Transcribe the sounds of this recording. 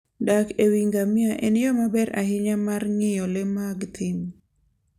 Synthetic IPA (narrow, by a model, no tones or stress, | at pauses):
dakewiŋɡamjaʔenjɔmabɛɾa̰ɦɪɲamarŋɪjɔlɛmaɡt̪ʰɪm